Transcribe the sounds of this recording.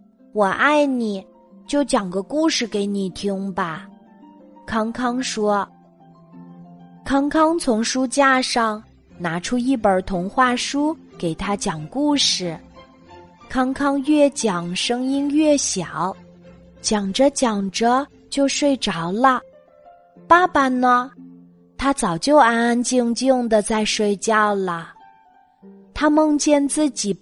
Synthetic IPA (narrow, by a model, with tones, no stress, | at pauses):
wɔ˨˩ʔa˥˩ɪni˨˩˦ | t͡ɕjo˥˩ʊt͡ɕjɑ˨˩ŋɡə˦ku˥˧ʂɻ̩˥˩ke˧˥ɪni˨˩t̪ʰi˥ŋbɐ˨ | kʰɑ˥ŋkʰɑ˥ŋʂwɔ˥ | kʰɑ˥ŋkʰɑ˥ŋt͡sʰʊ˧˥ŋʂu˥t͡ɕja˥˧ʂɑ˥˩ŋ | na˧˥ʈ͡ʂʰu˥i˥˩pə˞˨˩˥t̪ʰʊ˧˥ŋxwa˥˩ʂu˥ke˨˩ɪt̪ʰa˥t͡ɕjɑ˨˩ŋku˥˩ʂɻ̩˨˩ | kʰɑ˥ŋkʰɑ˥ŋɥɛ˥˩t͡ɕjɑ˨˩ŋʂɤ˥ŋi˥nɥɛ˥˩ɕjɑ˨˩˦ʊ | t͡ɕjɑ˨˩ŋʈ͡ʂə˦t͡ɕjɑ˨˩ŋʈ͡ʂə˧ | t͡ɕjo˥˧ʊʂwe˥˩ɪʈ͡ʂɑ˨˧˥ʊlə˧ | pa˥pa˧nə˧ | t̪ʰa˥t͡sɑ˨˩ʊt͡ɕjo˥˧ʊa˥na˥˧nt͡ɕi˥˧ŋt͡ɕji˥˩ŋd̪ə˨t͡sa˥˧ɪʂwe˥˧ɪt͡ɕjɑ˥˩ʊlə˩ | t̪ʰa˥mɤ˥˧ŋt͡ɕjɛ˥˧nt͡sɹ̩˥˩t͡ɕi˨˩